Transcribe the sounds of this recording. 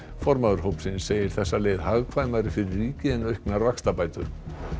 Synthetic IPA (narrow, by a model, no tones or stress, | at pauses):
fɔɾmaðʏɾ̥ɦowpsɪnsːeːjɪɾ̥θɛsːaleːjðhaɣkʰvaːjmaɾɪfɪɾɪɾrːiːcɪɛnœɥhknaɾvakst̪apaːjt̪ʏɾ̥